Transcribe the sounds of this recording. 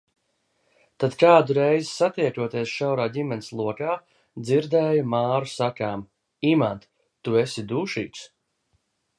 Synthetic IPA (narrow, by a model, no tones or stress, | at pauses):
t̪ad̪kaːd̪uɾɛjzisat̪iɛkuɔt̪iɛsʃawɾaːɟimɛnislˠuɔkaː | d̪ziɾd̪ɛːjumaːɾusakaːm | imant̪ | t̪uesid̪uːʃḭːks